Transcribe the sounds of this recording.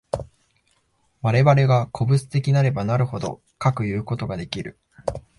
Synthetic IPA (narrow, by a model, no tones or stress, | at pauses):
βaɾe̞βaɾe̞ɡakʰo̞bɯ̟t͡sɨ̥t̪e̞kʲinaɾe̞banaɾɯ̟ho̞d̪o̞̰ | kakɯ̟jɯ̟ːko̞t̪o̞ɡad̪e̞kʲiɾɯ̟